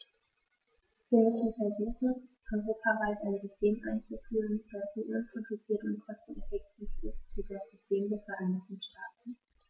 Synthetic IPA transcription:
v̥iːɐmʏsn̩fɛɐzuːχn̩ʔɔʏʁoːpʰavaɪtaɪnzʏstʰeːmʔaɪnt͡sufyːʁənd̥asiʔʊnpʰɔdut͡siːɐtʊntkʰɔstn̩ɛfɛk̚tʰiːfɪstv̥iːdasz̥ʏstʰeːmdeːɐfɛɐʔaɪnɪtn̩ʃtaːtn̩

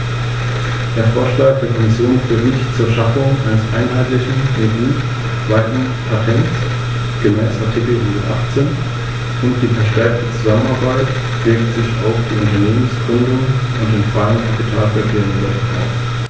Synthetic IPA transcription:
d̥eːɐfoːɐʃlaːk̚d̥eːɐkʰɔmɪsjoːnfətnɪçtt͡suːɐʃafʊŋʔa̰ɪnəsʔaɪnɦaɪtlɪçn̩meːdiː | v̥aɪtn | pʰatʰɛnts | ɡ̥əmɛ̰ːsʔaɐtʰɪkl̩hʊndɐtʔa̰χt͡seːn | ʔʊntd̥iːfɛɐʃtɛɐk̚tət͡suzamənaɐbaɪt | v̥ɪɐktz̥ɪça̰ʊfd̥iːʔʊntɐneːmən̩sɡ̥ʁʏndʊŋən | ʊntɪnfʁ̥aːɡnkʰapitʰaːlfɛɐkʰeːʁənlɛta̰ʊf

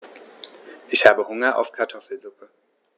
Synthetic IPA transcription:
ʔɪçhaːbəhʊŋɐʔa̰ʊfkʰaɐtʰɔfl̩zʊpə

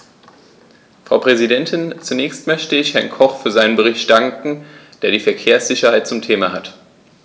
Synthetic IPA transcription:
fʁ̥aʊpʁ̥ɛzidɛntʰɪnt͡sunɛːçstmœçtəɪçhɛɐnkʰɔχfyːɐzaɪnənbəʁ̞ɪçtd̥aŋkŋ̩d̥eːɐɾiːfɛɐkʰeːɐsz̥ɪçɐhaɪt̚t͡sʊmtʰeːmahat

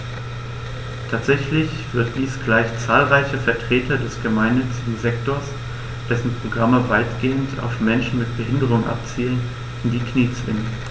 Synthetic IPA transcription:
tʰaːtz̥ɛçlɪç | v̥ɪɐt̚d̥iːsɡ̥laɪçt͡saːlʁaɪçəfɛɐtʁ̥eːtʰɐdɛsɡ̥əmaɪnːʏt͡sɪɡŋ̩zɛktoɐs | d̥ɛsn̩pʁ̥oɡʁaməvaɪtɡ̥eːəntʰa̰ʊfmɛnʃn̩mɪt̚b̥əɦɪndəʁʊŋnʔa̰p̚t͡siːlən | ɪndiːkʰniːt͡sɪ̰nə

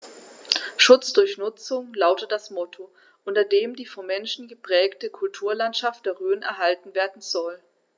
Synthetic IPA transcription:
ʃʊt͡sd̥ʊɐçnʊt͡sʊŋlaʊtət̚d̥asmɔtʰo | ʔʊntɐdeːmdiːfɔnmɛnʃn̩ɡəpʁ̥ɛːktəkʰʊltʰuːɐlantʃaftd̥eːɐʁøːnɛ̰ɐɦaltn̩veːɐdn̩zɔl

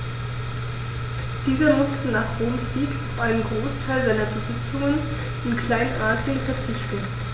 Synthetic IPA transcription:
d̥iːzɐmʊstənaːχb̥oːmsz̥iːkaʊfʔaɪnənɡʁoːstʰaɪlzaɪnɐbəzɪt͡sʊŋən | ɪnkʰl̥aɪnnʔaːziənfɛɐt͡sɪçtn̩

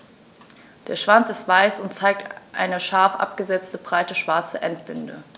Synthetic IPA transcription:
d̥eːɐʃv̥ant͡sɪstv̥aɪsʊntt͡saɪk̚tʔa̰ɪnəʃaɐfʔa̰p̚ɡ̥əzɛt͡stəbʁaɪtəʃv̥aɐt͡səʔɛntb̥ʏndə̰

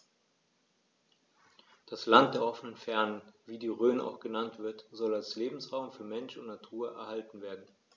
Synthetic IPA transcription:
d̥aslant̚d̥eːɐʔɔfənənfɛɐnənviːdiːʁøːna̰ʊxɡ̥ənantv̥ɪɐtz̥ɔlalsleːbm̩sʁaʊmfyːɐmɛnʃʊntnatʰuːɐʔɛ̰ɐhaltn̩veːɐdn̩

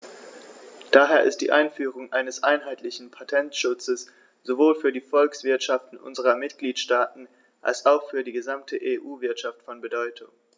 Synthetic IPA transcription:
d̥aːɦeːɐɪ̰st̚d̥ḭːʔaɪnfyːʁ̞ʊŋʔaɪnəsʔaɪnɦaɪtʰlɪçn̩pʰatʰɛntʃʊt͡səs | z̥ovoːlfyːɐdiːfɔlksv̥ɪɐtʃaftn̩ʔʊ̰nzəʁɐmɪtɡ̥liːtʃtaːtn̩ | ʔa̰lsaʊxfyːɐdiːɡəzamtʰəʔeːʔuːvɪɐtʃaftfɔnbədɔʏtʰʊŋ

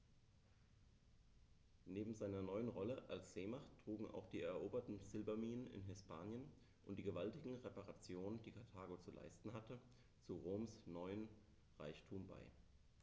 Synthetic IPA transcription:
neːbm̩zaɪnɐnɔʏənʁɔləʔalsz̥eːmaχtʁ̥uːɡŋ̩ʔa̰ʊxd̥iːɛɐʔoːbɐtn̩sɪlbɐmiːnənɪ̰nɦɪspʰaːnjən | ʔʊntd̥iːɡəvaltɪɡŋ̩ʁepaʁat͡sjoːnənd̥iːkʰaɐtʰaːɡot͡sulʔa̰ɪstn̩ɦatə | t͡suʁoːmsnɔʏən | ʁaɪçtʰuːmba̰ɪ

